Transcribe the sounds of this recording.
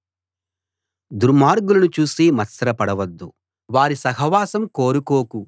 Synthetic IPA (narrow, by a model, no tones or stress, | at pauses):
d̪uɾmaːɾɡulɐnut͡ʃuːsimɐsɐɾɐpɐɽɐʋɐd̪ːu | ʋaːɾisɐɦɐʋaːsɐmkoːɾukoːku